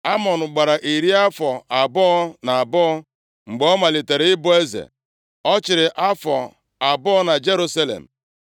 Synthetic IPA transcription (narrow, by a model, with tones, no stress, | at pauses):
a˦mɔ˨nʊ˨ɡ͡ba˨ɾa˨ʔi˨ɾi˦a˦fɔ˨a˨bɔ˦ɔ˦na˨a˨bɔ˦ɔ˦ | ŋ͡m̩˨ɡ͡bɔ˦ma˨li˨te˨ɾe˨˦ɪ˦bʊ˦e˦zḛ˨ | ɔ˦t͡ʃɪ˨ɾɪ˨ʔa˦fɔ˨ | a˨bɔ˦ɔ˦na˨d͡ʒe˦ɾu˦sa˦lḛ˨m̩˨